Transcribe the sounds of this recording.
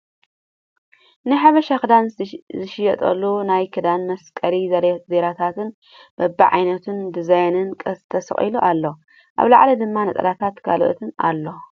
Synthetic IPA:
nɨħaβɐʃaxɨd̪anzɨʃɪjɛt̪ʼɐ̰lːunajkʰɨd̪anmɐskʼɐɾizɐɾzeɾat̪ʰat̪ʰɨn | b̥ɐbiʕa̰jnɐt̪ʰɨnd̪ɨzajnɨnkʼɐst̪ʰɐsɐ̰χʼḭluʔalːo | ʔa̰βla̰ʕlɐd̪ɨmːanɐt̪ʼɐ̰ɾat̪ʰat̪kʰa̰lo̰ʔt̪ʰɨna̰lːo

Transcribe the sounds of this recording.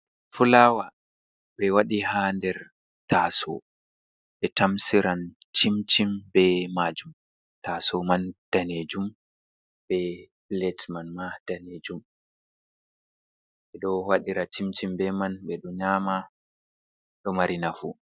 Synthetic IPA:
fulaːwa | ɓɛwaɗihandɛɾ | tasɔ̰ | ɓɛtamsiɾant͡ʃimt͡ʃimbɛmad͡ʒum | tasɔmand̥aned͡ʒum | bɛblɛtmanmad̥aned͡ʒum | ɓɛɗɔwaɗiɾat͡ʃimt͡ʃimbɛmanɓɛɗɔɲaːma | ɗɔmaɾinafṵ

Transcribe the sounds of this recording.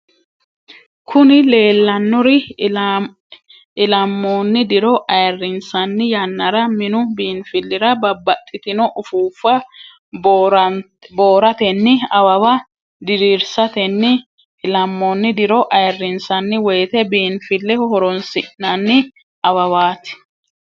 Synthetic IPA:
kʰʊnɪle̞ːlːɐnːɔɾɪ | lɐmːoːnːɪd̪ɪɾɔʔɐjrːɪnsɐnːɪjɐnːɐɾɐmɪnʊbiːnfɪlːɪɾɐbɐbɐt̪ʼːɪt̪ɪnɔʔʊfuːfːɐ | ɾ | bo̞ːɾɐt̪ɛnːɪɐwɐwɐ | d̪ɪɾiːɾsɐt̪ɛnːɪː | lɐmːonːɪd̪ɪɾɔʔɐjrːɪnsɐnːɪwɔjt̪ɛbiːnfɪlːɛhɔɾɔnsɪʔnɐnːɪ | ɐwɐwaːt̪ɪ̥

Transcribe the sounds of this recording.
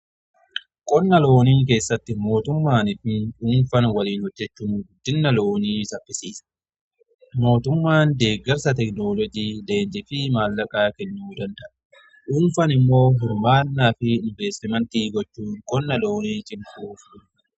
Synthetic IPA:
kʼɔnːɐlo̞ːniːŋk̬e̞ːsːɐt̪ːɪmo̞ːt̪ʊmːaːnɪfɪʔuːnfɐnwɐliːnhɔd͡ʒːɛt͡ʃːʊmɡd̪ːɪnːɐlo̞ːniːsɐfːɪsiːs | mo̞ːt̪ʊmːaːnd̪e̞ːɡɐɾsɐt̪ɛkno̞ːlɔd͡ʒiːleːnd͡ʒɪfɪmaːlːɐkʼaːkɛɲːuːd̪ɐnd̪ɐʔɐ | ʔuːnfɐnɪmːo̞ːɦʊɾmaːnːaːfɪɪɱbe̞ːst̪ɪmɐnt̪iːɡɔt͡ʃːuːŋkʼɔnːɐlo̞ːniːt͡ʃʼɪŋkuːf

